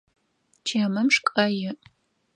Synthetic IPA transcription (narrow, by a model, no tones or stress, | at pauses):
t͡ʃʰɐmɐmʂkʼɐjɪ